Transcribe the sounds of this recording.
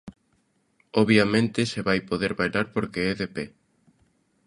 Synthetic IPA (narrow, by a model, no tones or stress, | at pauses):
oβjamẽnt̪ɪseβajpoðeɾβajlaɾpoɾkeɛðepɛ